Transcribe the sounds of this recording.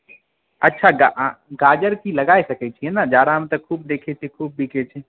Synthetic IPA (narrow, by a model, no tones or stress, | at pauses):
ɐtːʃʰaɡa̰ɡaːd͡ʒəɾkiləɡaːesəkɛt͡ʃʰiɦɛnad͡ʒaːɾaɦəmt̪əkʰuːb̚d̪eːkʰet͡ʃʰikʰuːb̚bʱiket͡ʃʰi